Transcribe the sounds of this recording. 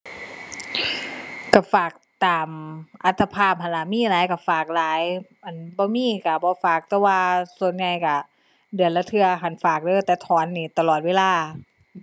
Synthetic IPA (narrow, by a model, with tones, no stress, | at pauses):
ka˧˩faː˨˩k̚t̪aː˨˩mʔa˧t̪ʰːa˧pʰaː˧˥˩p̚ha˨˩nla˧˩˨miː˧˥˨laː˨˦jka˧˩faː˨˩k̚laː˨˦jʔa˧˨˩nbɔː˧˦miː˧˥˨ka˧˩bɔː˧˦faː˨˩k̚t̪ɛː˧˦waː˧su˧˩ə˨nɲa˧˩jka˧˩ | dɯ˨˩ənla˧˦t̪ʰɯ˧ɐɦa˧˨˩nfaː˨˩k̚dɤː˧˩˨t̪ɛː˧˩t̪ʰɔː˨˦nːiː˧˩t̪a˧lɔː˨˩t̪̚we˧laː˧˩˨